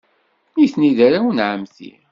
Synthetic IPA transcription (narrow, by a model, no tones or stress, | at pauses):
niθniðaɾawnʕəmθḭ